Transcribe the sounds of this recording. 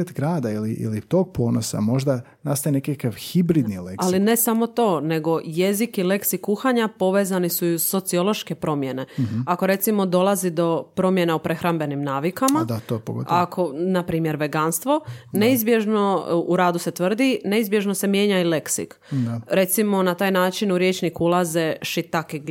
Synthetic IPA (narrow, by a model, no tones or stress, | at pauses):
et̪ɡɾaːd̪ailiʔḭlit̪oːɡ̚po̞ːnosa̰mo̞ʒd̪a | nast̪ajenekakaʋxibɾid̪nilealine̞samo̞t̪o̞ːne̞ɡo̞je̞zikile̞ksikːuxaɲapo̞ʋe̞ːzanisuuzso̞t̪sio̞lo̞ʃke̞pɾo̞mje̞ne̞ako̞ɾe̞t̪simo̞d̪o̞lˠazid̪o̞pɾo̞mje̞naupɾe̞xɾambe̞nimnaːʋikamad̪at̪opoɡo̰t̪akʰo̞napɾiːmjeɾʋe̞ɡanst̪ʋo̞neizbje̞ʒno̞uɾaːd̪use̞t̪ʋr̩d̪ine̞izbje̞ʒnose̞mje̞ːɲaile̞ksḭk̪ | ɾe̞t̪simo̞nat̪aːjnaːt͡ʃinuɾjet͡ʃnikuulˠaze̞ʃit̪aki